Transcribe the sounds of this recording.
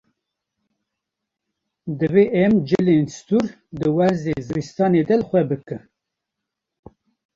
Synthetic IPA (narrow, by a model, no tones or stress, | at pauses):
d̪ɨveʔɛmd͡ʒɨlenst̪uɾ | d̪ɨwæɾzezɨɾist̪ɑːned̪ɛlxʷɛbɨkɨn